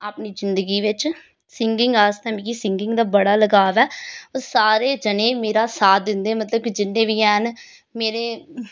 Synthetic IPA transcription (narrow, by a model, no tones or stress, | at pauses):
apniːzɪnd̪əɡiːʋɪt͡ʃ | sɪŋɡɪŋɡaːst̪ɛ̃ːmĩːkisɪ̃ŋɡɪ̃ŋɡd̪aːbəɽaːləɡaːʋɛːoːsaːɾeːd͡ʒənẽːmeːɾaːsaːd̪ɪnd̪eːmət̪ləbkid͡ʒɪnːẽːʋiːɛːɦən | meːɾeː